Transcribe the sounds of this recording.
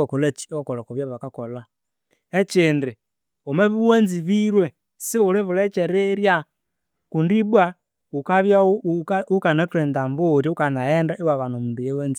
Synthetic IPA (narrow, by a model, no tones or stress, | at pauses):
akulɛt͡ʃi̥kɔlakuβjaβakakɔla | ɛt͡ʃindi | umaβiwɛnziβiɾwɛ | siuliβulɛt͡ʃɛɾɛɾja | kundibwa | ukaβjaukanatɾɛndambuɾiukanaɛndaʔiwaβanumundujɛwɛnzi